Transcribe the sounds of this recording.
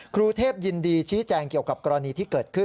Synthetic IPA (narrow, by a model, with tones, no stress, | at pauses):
kʰɾuː˧t̪ʰeː˥˩p̚ji˧ndiː˧t͡ɕʰiː˦˥t͡ɕɛː˧ŋki˨˩əwka˨˩p̚kɔ˧ɾa˧niː˧t̪ʰiː˥˩kɤː˨˩t̪̚kʰɯ˥˩